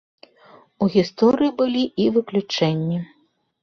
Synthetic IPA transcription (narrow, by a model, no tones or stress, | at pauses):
uɣʲist̪ɔɾɨjibɨlʲiʔivɨklʲut͡ʂɛnʲːi